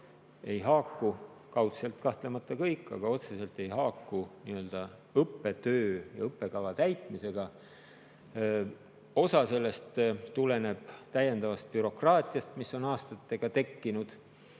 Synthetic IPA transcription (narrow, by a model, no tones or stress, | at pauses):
e̞jɦɑːkːu | kɑwt̪se̞lt̪kɑht̪le̞mɑt̪ːˑɑkɤjkːˑɑ̰ɡ̥ɑo̞t̪se̞se̞lt̪ˑe̞jhɑːkːuniø̞ld̪̥ɑ | ɤpːe̞t̪øːjɑɤpːˑe̞kɑvɑt̪æjt̪ˑmise̞ɡ̥ɑ | o̞sɑse̞lːe̞st̪t̪ːule̞ne̞b̥t̪æjːe̞nd̪̥ɑvɑst̪̚pyɾo̞krɑːt̪ʲˑijɑst̪misːo̞nɑːst̪ɑt̪ːe̞ɡ̥ɑt̪e̞kːinud̪̥